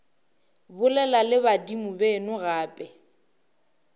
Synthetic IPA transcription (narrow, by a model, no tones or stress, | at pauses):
bʊlɛlalɪβadimʊbɛnʊɣaːpʼɛ